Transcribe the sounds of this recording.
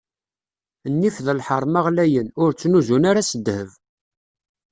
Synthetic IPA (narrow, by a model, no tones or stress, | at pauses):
nːifðəlħəɾˤmaʁlæjənʊɾt͡sːnuzunaɾasəd̪ːhəv